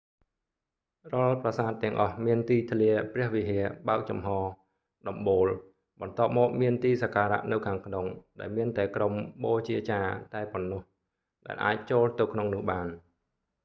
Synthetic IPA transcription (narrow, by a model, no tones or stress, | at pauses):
rŏəlprasaːt̪ːɛ̆əŋʔɑhmiənt̪iːt̪ʰliəprɛ̆əhʋiɦiəɓaək̚t͡ɕɑmɦɑː | ɗɑmɓoːl | ɓɑnt̪ŏəp̚mɔːk̚miənt̪iːsakaːɾa̰ʔnɨwkʰaːŋkʰnoŋɗaɛlmiənt̪aɛkromɓoːt͡ɕiət͡ɕaːt̪aɛponːŏəh | ɗa̰ɛlʔa̰ːc̚t͡ɕoːlt̪ɨwkʰnoŋnʊ̆əhɓaːn